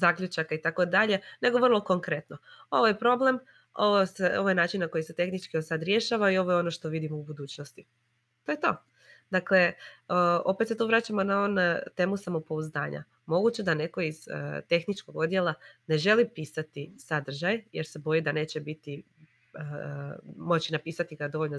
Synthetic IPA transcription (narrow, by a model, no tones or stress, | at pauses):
zakʎut͡ʃakait̪ako̞d̪aʎe̞ne̞ɡo̞ʋrlˠo̞ko̞ŋkɾe̞t̪no̞o̞ʋojepɾo̞ble̞m | oʋoseoʋojenaːt͡ʃinnako̞jise̞t̪e̞xnit͡ʃkiosad̪ɾje̞ʃaʋaio̞ʋojeo̞no̞ʃt̪o̞ʋid̪imoubud̪uːt͡ɕnost̪i | t̪o̞jet̪o̞ː | d̪akle̞ | o̞pet̪se̞t̪uːʋɾaːt͡ɕamo̞naont̪e̞ːmusamopo̞uzd̪a̰ːɲa̰ | mo̞ɡut͡ɕe̞d̪ane̞ko̞iz̥̰t̪e̞xnit͡ʃko̞ɡo̞d̪je̞lˠane̞ʒe̞lipiːsat̪isad̪r̩ʒajjeɾse̞bo̞jid̪ane̞ːt͡ɕe̞bit̪i | mo̞t͡ɕinapiːsat̪iɡad̪o̞ʋo̞ʎno